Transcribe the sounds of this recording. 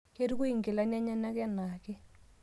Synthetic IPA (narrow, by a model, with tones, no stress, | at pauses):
ke˦ɾu˦ku˦i˨ŋɡɪ˨la˦na˦ɲa˦na˦kɛ˦na˨kɛ˦